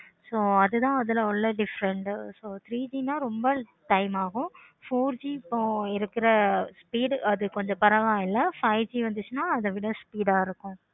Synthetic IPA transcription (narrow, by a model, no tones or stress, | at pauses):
soːɐðɯt̪ãːɐðɪlɐɔɭːɐɖɪfɾɐɳʈsoːt̪ɾiːd͡ʒiːnaːɾɔmbɐʈɐɪmaːɣʊ̃ | foːɾd͡ʒiːpːõɪɾɯkːɪɾɐspiːɖɐðɯkɔɲd͡ʒɔ̃pɐɾɐʋaːɪlːɐfɐɪd͡ʒiːʋɐnd̪ɯt͡ʃːɯnaːɐðɐʋɪɽɐ̃spiːɽaːɪɾɯkːʊ̃